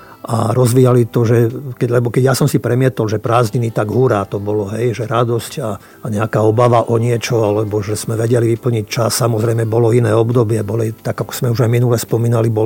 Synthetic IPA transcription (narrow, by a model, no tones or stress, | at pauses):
ʔa̰ɾɔzʋiːjalit̪ɔʒɛkɛlɛbɔkɛɟjasɔmsipɾɛmɪɛt̪ɔlʒɛpɾaːzɲinit̪aɡɦuɾaːt̪ɔbɔlɔɦɛjʒɛɾad̪ɔsca | ɲɛakaːɔbaʋaʔɔɲɪɛt͡ʃɔalɛbɔʒɛz̥mɛʋɛɟɛliʋipl̩ɲic̚t͡ʃasːamɔzɾɛjmɛbɔlɔinɛːɔbd̪ɔbɪɛbɔlit̪aɡakɔ̥z̥mɛuʒajminulɛspɔmiːnalibɔ